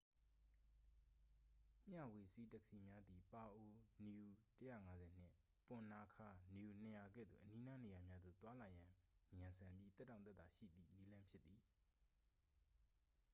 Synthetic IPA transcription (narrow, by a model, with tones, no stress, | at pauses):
m̥ja˦˨we˨se˦tɛ˦kə̥si˨mja˦d̪i˨pa˨ʔo˨nju˨tə˦jä̰˦˨ŋa˦zɛ˨n̥ɪ̰̃˦˨ | pʊ̃˨na˨kʰa˨nju˨n̥ə˨ja˨ɡɛ̰˦˨d̪ðṵ˦˨ʔəni˦na˦ne˨ja˨mja˦d̪o̰˦˨t̪wa˦la˨jã˨jã˨nsʰã˨mbji˦t̪ɛ˦tːã˨t̪ɛ˦t̪̚a˨ʃḭ˦˨d̪ðḭ˦˨ni˦lã˦mpʰjɪ˦t̪ːi˨